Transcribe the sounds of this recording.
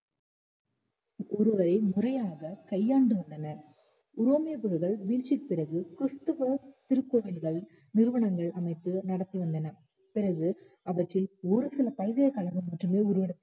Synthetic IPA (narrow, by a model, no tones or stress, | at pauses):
ɔɾɯʋɐɾɐɪmʊrɐjaːɣɐkɐjːaːɳɖɯʋɐnd̪ɐnɐ | ʊɾoːmɪjɐpɯɾɯɣɐɭʋiːlt͡ʃːɪpɪrɐɣɯkɾɯst̪ɯʋɐt̪ɪɾɯkːoːʋɪlɣɐɭ | nɪɾɯʋɐɳɐŋɡɐɭʔɐmɐɪt̪ːɯnɐɽɐt̪ːiʋɐnd̪ɐnɐ | pɪrɐɣɯ | ɐʋɐʈrɪlɔɾɯsɪlɐpɐɻɣɐjɐkɐɭɐɣɯmɐʈːrɯmeːʊɾɯʋɐɽɐ